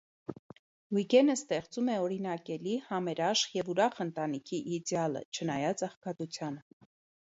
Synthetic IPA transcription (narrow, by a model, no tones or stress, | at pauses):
wiɡɛnəst̪ɛχt͡sumɛɔɾinɑkɛlihɑmɛɾɑʃjɛvuɾɑχən̪t̪ɑnikʰiʔːd̪jɑlə̰t͡ʃʰənɑjɑt͡sɑχkɑt̪ut͡sʰjɑnə